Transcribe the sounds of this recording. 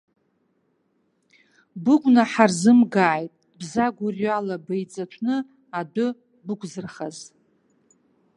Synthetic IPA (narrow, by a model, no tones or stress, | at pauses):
bɨɡʷnaħarzɨmɡaːjtʼ | bzaɡʷʊrjɥalabejt͡sʼat͡ʃʷʰnɨ | adʊ | bʊkʷʰʼzɨrχaz